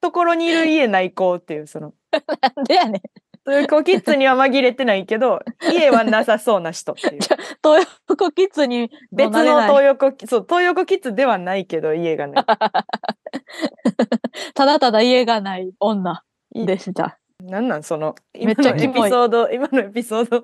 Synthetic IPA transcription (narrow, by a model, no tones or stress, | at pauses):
t̪o̞ko̞ɾo̞ɲ̟iːɾɯ̟ie̞naiko̞ːt̪ːe̞jɯ̟ːso̞no̞ | nand̪ejane | t̪ojokokʲit͡sɨɲ̟iβamaɡʲiɾe̞t̪e̞naike̞d̪o̞ie̞βannasaso̞ːnaɕi̥t̪o̞t̪eat̪oːjo | kokʲit͡sɨɲ̟ibent͡s̪ɨnot̪oːjokokʲisoːt̪o̞ːjokokʲit͡sɨd̪e̞βanaike̞d̪o̞ie̞ɡa̰na̰ | t̪ad̪at̪ad̪aie̞ɡanaiõ̞nːa | d̪e̞ɕt̪a̰ | nãnːãnso̞no | imeaipʲioːd̪oimanoepʲiso̞ːd̪o